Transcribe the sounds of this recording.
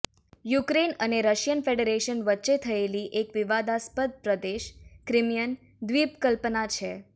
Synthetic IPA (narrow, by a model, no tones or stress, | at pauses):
jukɾenəneɾəʃjənfeɖeɾeʃənʋətːʃet̪ʰəeliʔekʋiʋad̪aspəd̪̚pɾəd̪eʃkɾɪmijən | d̪ʋipkəlpənat͡ʃʰe